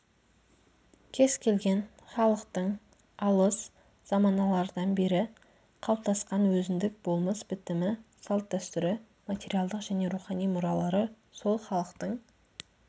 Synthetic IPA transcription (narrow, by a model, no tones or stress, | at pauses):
kʲʰe̞zkʲʰe̞lɡʲe̞n | χɑlˠəqt̪əɴ | ɑlˠəs | z̥ɑmɑnɑlˠɑɾd̪ɑnbe̞ɾɪ | qʰɑlˠp̚t̪ɑsqɑnwɵzɪnd̪ɪk̚bo̞lˠməsbɪt̪ɪmɪsɑlˠt̪̚d̪æst̪ʏɾɪ | matʲe̞ɾialˠd̪əqʒ̥æne̞ɾuχɑnijmʊɾɑlˠɑɾə | so̞lˠχɑlˠəqt̪əɴ